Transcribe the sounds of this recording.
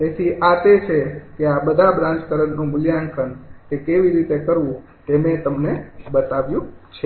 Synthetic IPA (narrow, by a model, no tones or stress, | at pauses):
t̪et̪ʰiʔat̪et͡ʃʰekeabəd̪ʱabɾãɲt͡ʃkəɾənːũmʊljaŋkʰənkekeʋiɾit̪ekəɾʋũ | t̪emet̪əmnebət̪aʋjũt͡ʃʰe